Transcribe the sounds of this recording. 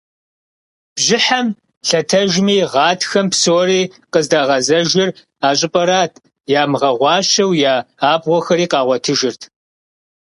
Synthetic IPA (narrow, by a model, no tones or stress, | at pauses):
b̥ʒɪħɐm | ɬɐtʰɐʒmiːʁɑːtʰxɐmpsoːɾiːqəzdaːʁɐzɐʒɪr | aːɕʼɪpʼɐɾaːtʰ | jaːmʁɐʁʷɑːʃɐwjaːaːbʁʷɔxɐɾiːqɑːʁʷɔtʰɨʒɪrtʰ